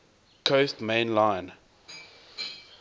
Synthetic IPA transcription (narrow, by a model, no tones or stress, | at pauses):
kʰostmẽːnlãɪn